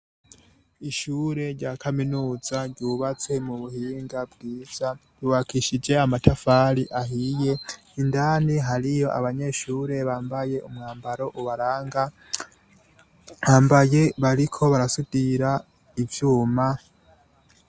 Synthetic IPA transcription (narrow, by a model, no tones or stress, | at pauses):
iʃuːɾe̞ɾɟaːkʰaminuːzaɾɟuβat͡se̞muβuhiːŋɡabɡiːz̥aduwakiʃid͡ʒe̞amatafaːɾiʔaɦije̞ | indaːniɦaɾijo̞ʔa̰βaɲe̞ʃuːɾe̞βaːmbaje̞ʔumŋaːmbaɾo̞ʔuβaɾaːŋɡa | haːmbaje̞βaɾikʰo̞βaɾasudiɾa | ivjuːma